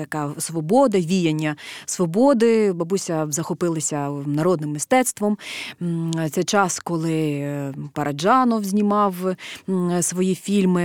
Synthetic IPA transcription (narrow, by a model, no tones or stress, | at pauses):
t̪ɐkɑsʋɔbɔd̪ɐʋʲijɐnʲːɐsʋɔbɔd̪ɪbɐbusʲɐzɐxɔpɪlˠɐsʲɐnɐɾɔd̪nɪmːɪst̪ɛt̪st̪ʋɔm | t̪sɛjt͡ʃɑskɔlˠɪ | pɐɾʔɐd͡ʒɑnɔwzʲnʲimɑw | sʋɔjifʲilʲmɪ